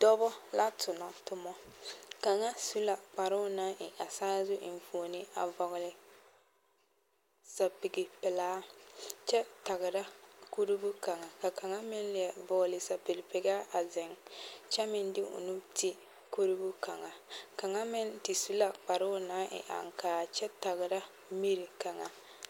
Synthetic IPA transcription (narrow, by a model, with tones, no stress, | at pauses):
d̥ɔ˦bɔ˦la˦tʰʊ˨nɔ˨tʊ˦mɔ˦ka˨ŋa˦su˦la˨k͡pa˨ɾʊ˦na˦ʔɪ˨ʔa˨saː˦zʊ˦ʔɪ˨n˨foː˨nɪ˦a̰˨vɔ˨ɣʊ˨lɪ˨ | sa˨pɪ˨ɡɪ˨pɪ˨laː˦t͡ʃɛ˦ta˨ɣɪ˨ɾa˦ku˦ɾi˦bu˦ka˨ŋa˨ka˨ka˨ŋa˦mɪ˦n˦lɪ˨ɛ˨vɔ˨ɡlɪ˨sa˨pɪ˨ɡɪ˨pɪ˨ɡa˦a˨zɪ˨ŋt͡ʃɛ˦mɪ˦ndɪ˦ʊ̰˨nu˦ti˦ | ko˦ɾi˦bu˦ka˨ŋa˨ka˨ŋa˦mɪ˦ntɪ˨su˦la˨k͡pa˨ɾʊ˦na˦ʔɪ̰˨ʔa̰˨ŋ˨kaː˨t͡ʃɛ˦ta˨ɣɪ˨ɾa˦ | mi˦ɾi˨ka˨ŋa̰˨